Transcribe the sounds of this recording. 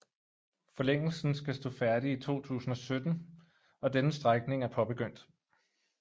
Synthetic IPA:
fɒ̽leŋ̰l̩sn̩sɡ̥æsd̥o̰̽ːfæɐɾiit͡sʰo̝̰ːt͡sʰṵːsn̩ɒ̽sød̥n̩ | ɒ̽d̥enəsd̥ʁaɡ̥̚ne̝ŋæɐpʰɒ̽b̥e̝ɡ̥øn̰d̥

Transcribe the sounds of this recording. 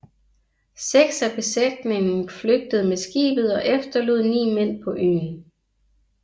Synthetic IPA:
seɡ̥sæb̥e̝sed̥ne̝ŋn̩fløɡ̥̚d̥əð̞̩ˠmesɡ̥ḭːb̥ð̩ˠɒ̽ʔefd̥ɐlo̝ð̰ˠnḭːmen̰pʰɒ̽ʔøːn

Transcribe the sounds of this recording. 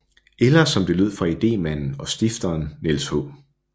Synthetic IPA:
elɐsɒ̽md̥e̝lyð̞̰ˠfʁɑ̈id̥e̝̰ːmæn̰n̩ɒ̽sd̥ifd̥ɐːnːe̝lshɔ̰ː

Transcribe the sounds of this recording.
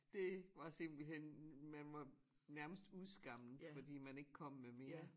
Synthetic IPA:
d̥e̝ʋɑ̈se̝m̰b̥l̩henmænʋɑ̈næɐməsd̥uðˠsɡ̥ɑ̈m̰n̩fɒ̽d̥ḭːmæne̝ɡ̥əkʰɒ̽m̰ːeme̝ɐ

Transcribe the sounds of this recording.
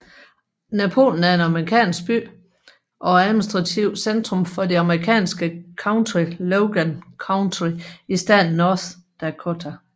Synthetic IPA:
næpʰo̝̰ːln̩æɐe̝nɑ̈mʁikʰɛ̰ːnsɡ̥̚b̥y̰ː | ʔɒ̽æðˠminisd̥ʁɑ̈t͡sʰiʊ̰send̥ʁɔ̽mfɒ̽deɑ̈məʁikʰɛ̰ːnsɡ̥əkʰɑ̈ʊnt͡sʰʁiloʊɡ̥ænkʰɑ̈ʊnt͡sʰʁiisd̥æ̰nːɒːθd̥ækʰot͡sʰæ

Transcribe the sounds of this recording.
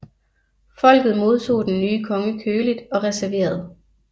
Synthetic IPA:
fɒ̽l̰ɡ̥ð̞̩ˠmo̝ð̞ˠt͡sʰo̝̰ːd̥enːyːəkʰɒ̽ŋəkʰøːlid̥ɒ̽ʁɛsæɐʋe̝̰ːɐð̞̩ˠ

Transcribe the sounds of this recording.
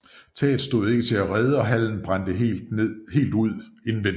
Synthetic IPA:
t͡sʰɛ̰ːd̥ˠsd̥o̝ðˠe̝ɡ̥ət͡sʰe̝læʁɛð̞ˠəɒ̽ɦæl̰n̩b̥ʁand̥ə | he̝̰ːld̥uð̞̰ˠe̝nn̩ʋen

